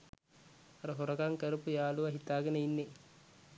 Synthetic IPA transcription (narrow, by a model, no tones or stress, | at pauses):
ɐɾɐɦoɾɐkaŋkɐɾupujaːluʋɐɦit̪ːaːɡɐneinːe